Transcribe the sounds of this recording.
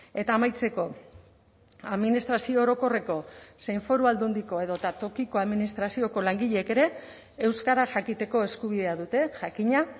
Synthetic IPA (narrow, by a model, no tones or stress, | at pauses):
e̞t̪aːmajt͡se̞ko̞ | aðminist̪ɾasio̞ːɾo̞ko̞re̞ko̞se̞jɱfo̞ɾuald̪und̪iko̞e̞ðo̞t̪at̪o̞kiko̞aðminist̪ɾasio̞ko̞laŋɡiʎeeke̞ɾe̞ː | wskaɾaʝakit̪e̞ko̞e̞skuβ̞iðe̞aðut̪e̞ʝakiɲa